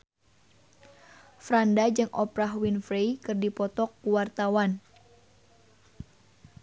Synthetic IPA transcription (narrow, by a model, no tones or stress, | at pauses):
fɾandad͡ʒɨŋʔɔpɾaɦwinfɾejkɨrdipɔt̪ɔkːuwart̪awan